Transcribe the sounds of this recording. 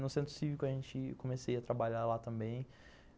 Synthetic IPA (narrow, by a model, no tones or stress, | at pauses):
nʊsẽnt̪ɾʊ̥sivikʊɐʒẽnt͡ʃɪkõmesejɐt̪ɾabaʎalat̪ɐ̃mbẽj̃